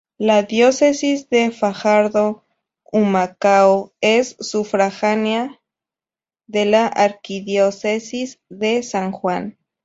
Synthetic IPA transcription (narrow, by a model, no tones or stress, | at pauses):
laðjosesisðefaxaɾðo | umakaoesːufɾaxanja | ðelaʔaɾkiðjosesisðesaŋxwan